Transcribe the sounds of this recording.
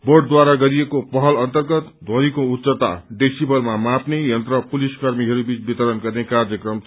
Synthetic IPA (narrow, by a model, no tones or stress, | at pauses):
boɖ̚d̪waɾaɡʌɾijekopʌɦʌlʌnt̪ʌrɡʌt̪d̪ʱõnikoutsʌt̪a̰ɖeksibʌlmamapnejʌnt̪rʌpuliskʌrmiɦʌɾubit͡sbit̪ʌɾʌnɡʌrnekard͡zʌkrʌm